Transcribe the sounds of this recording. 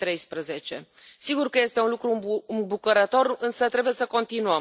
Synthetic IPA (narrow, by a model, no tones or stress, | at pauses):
t̪ɾe̞jspɾəze̞t͡ʃe̞̰ | siɡurkəje̞st̪e̞unlukɾuɨmbukəɾət̪o̞rɨnsət̪ɾe̞buje̞səko̞nt̪inuə